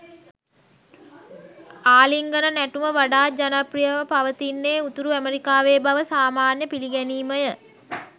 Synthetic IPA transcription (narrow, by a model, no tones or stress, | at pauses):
aːliŋɡənənæʈuməʋaɖaːd͡ʒanəprijəʋəpaʋət̪inːeːut̪uɾuæmeɾikaːʋeːbaʋəsaːmaːnjəpiliɡɛniːməjə